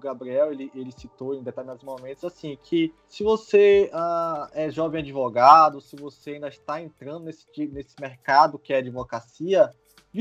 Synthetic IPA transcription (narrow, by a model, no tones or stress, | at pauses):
ɡabɾiɛwelɪʔelɪsit̪owẽd̪ɛt̪alinad̪ʊzmomẽt̪ʊzasĩkʰɪ | sɪvoseaɛʒɔvẽj̃ad͡ʒivoɡad̪ʊsɪvoseaĩnd̪ɐɪʃt̪aẽnt̪ɾɐ̃nd̪ʊnesɪ̥t͡ʃinesɪ̥meɾkad̪ʊkɪɛad͡ʒivokɾasiɐ | vi